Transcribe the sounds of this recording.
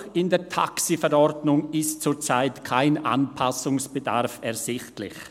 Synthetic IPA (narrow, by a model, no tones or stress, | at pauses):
xɪndeːtʰa̰ksifɛɾɔɾdnʊŋɪstt͡suːt͡saɪtkʰaɪnʔa̰npʰasʊŋsb̥əda̰ɾfɛʁz̥ɪxtlɪ̰ç